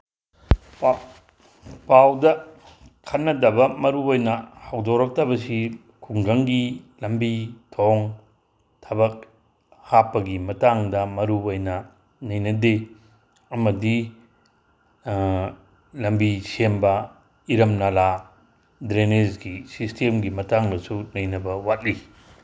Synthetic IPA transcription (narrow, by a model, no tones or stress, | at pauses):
pawdɐ | kʰɐtnɐdɐbɐmɐɾuojnɐhɐwdoɾɐk̚tɐbɐsi | kʰuŋɡɐŋɡilɐmbitʰoŋ | tʰɐbɐk̚ | hapːɐɡimɐtaŋdɐmɐɾuojnɐ | nɐjnɐde | ɐmɐdi | lɐmbisembɐ | iɾɐmnɐla | dɾenezɡisistʰemɡimɐtaŋdɐsunɐjnɐbɐwat̚li